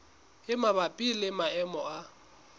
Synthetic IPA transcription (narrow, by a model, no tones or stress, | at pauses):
ɪmabapʼilɪmaɛmɔa